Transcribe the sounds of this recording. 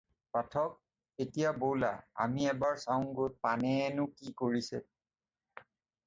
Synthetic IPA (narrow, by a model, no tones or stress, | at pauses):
patʰɔk̚ | etijabowla̰a̰miɛbaɹsawŋɡojt̚panɛnʊkikoɹisɛ̰